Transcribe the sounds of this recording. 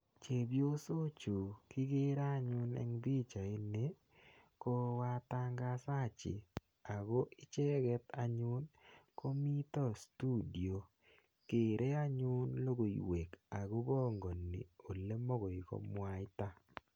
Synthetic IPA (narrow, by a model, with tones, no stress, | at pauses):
t͡ʃe˨bjo˦so˦t͡ʃo˨kɪ˦ɡe˦ɾa˦˨ɲʊ˦nɛ̰˨˦ŋbi˦t͡ʃa˨e˦ne˦ | ko˦wa˦ta˦ŋɡa˦sa˦˨t͡ʃɪ̰˨ | a˨ɡo˦ʔɪ˦t͡ʃɛ˦ɡɛ˦t̪a˨ɲʊ˦nko˦mi˦tɔ˦stu˦di˨o˨ | ke˨ɾʔe˦a˦ɲʊ˦nlo˦ɡo˨ḭ˨we˨ka˨ɡo˦bɔ˦ŋɡo˨nːḭ˨o˨le˦mo˦ɡo˨i˨ko̰˦mwa˦ɪ˦ta˦